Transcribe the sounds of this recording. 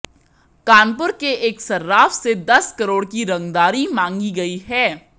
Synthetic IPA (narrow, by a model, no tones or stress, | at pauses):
kaːnpʊɾkeʔeːksɐɾːaːfsed̪ɐskɐɾoːɽkiɾɐ̃ŋɡd̪aːɾimãːŋɡiɡɐiɦɛː